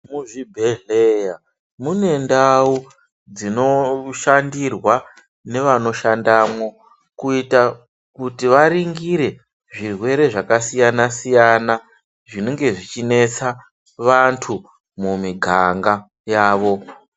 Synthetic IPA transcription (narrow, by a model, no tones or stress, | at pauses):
muʐibʱeɮeja | mune̞ndau | d͡zino̞ʃandirwa | ne̞ʋano̞ʃandamwo̞ | kuita | kutiʋaɾiŋɡiɾe̞ | ʐirwe̞ɾe̞ʐakasijanasijana | ʐine̞ŋɡe̞ʐit͡ʃine̞t͡sa | ʋantʰu | mumiɡʱaŋɡa | jaːʋo̞